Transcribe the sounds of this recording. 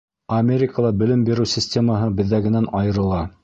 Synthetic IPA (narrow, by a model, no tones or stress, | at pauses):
ɐmʲeɾʲɪkəlˠɑbɘ̆lɘmbiɾɘwsʲɪsʲtʲeməɦɤbɘ̆ðːæɡɘ̆nænɑjɤ̆ɾɤ̆lˠɑ